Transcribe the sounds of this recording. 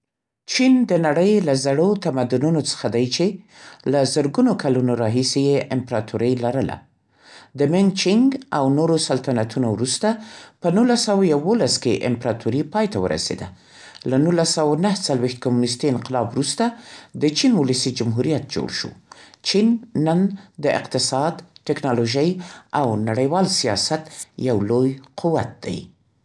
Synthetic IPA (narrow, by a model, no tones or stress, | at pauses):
t͡ʃind̪ənaɽəjlazaɽot̪amad̪ununot͡sə̥xad̪ajt͡ʃe | lazəɾɡunokalunoɾɑɦisejeʔɪmpɾɑt̪ʰuɾəjlaɾəla̰ | d̪əmɪnt͡ʃɪŋɡawnoɾosalt̪anat̪ʰunowɾust̪apənulasawajawolaskeʔɪ̰mpɾɑt̪ʰuɾipɑjt̪awə̰ɾa̰sḛd̪a | lanulasawanaht͡salwext̪̚kamunɪs̬t̪iɪnqɪlɑbɾust̪ad̪ət͡ʃinwʊlasid͡ʒamɦuɾijat̪̚d͡ʒo̰ɽʃo̰t͡ʃinːənd̪əʔɪ̰qt̪ɪsɑd̪ʈɪknɑloʒəjawnaɽəjwɑlsijɑ̰sat̪jawlojqʰuwa̰t̪̚d̪̥a̰j